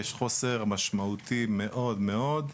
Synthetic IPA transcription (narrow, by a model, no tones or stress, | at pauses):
eʃχoseʁmaʃmaut̪ime̞ʔo̞d̪me̞o̞d̪